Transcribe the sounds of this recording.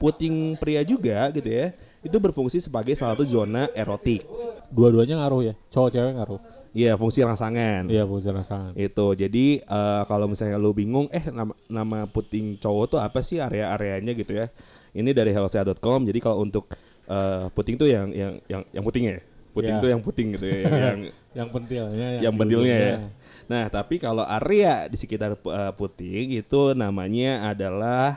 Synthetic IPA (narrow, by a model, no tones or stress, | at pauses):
put̪ɪŋpɾiad͡ʒuɡaɡit̪uja | it̪̬ubərfuŋsisəbaɡajsaaat̪uzonaʔeɾot̪ɪk̚duaduaɲaŋaɾʊhjat͡ʃot͡ʃeaŋaɾʊh | ijafuŋsiɾaŋsaŋanjafuŋsiɾaŋsaŋanit̪ud͡ʒadiəːkalomisalɲalubiŋʊŋɛhnamanamaput̪ɪŋt͡ʃoot̪uapasɪhaɾeaːɾeaɲaɡit̪ujainidaɾiɦɛloseadɔt̪̚kɔmd͡ʒadikalount̪ʊk̚ | əput̪ɪŋt̪ujaŋjaŋja̰ŋja̰ŋput̪ɪŋjaput̪ɪŋt̪ujaŋput̪ɪŋɡit̪ujajaŋ | jaŋpənt̪ɪlajaŋpənt̪ɪlɲajanaht̪apikaloʔaɾeadisəkit̪arəput̪ɪŋit̪unamaɲaːdalah